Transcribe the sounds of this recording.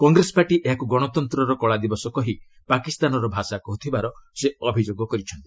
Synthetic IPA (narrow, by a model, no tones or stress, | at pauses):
kɔŋɡɾesɔ̥paʈiʔeɦakuɡɔɽ̃ɔt̪ɔnt̪ɾɔɾɔkɔɭad̪ibɔsɔkɔɦi | pakist̪anɔɾɔbʱasakɔɦut̪ʰibaɾɔseɔbʱid͡ʒoɡɔkɔɾit͡ʃʰɔnt̪i̥